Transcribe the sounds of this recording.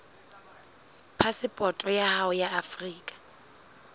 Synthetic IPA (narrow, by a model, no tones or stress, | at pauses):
pʰasɪpʼɔtʼɔjahaʊjaafriːkʼḁ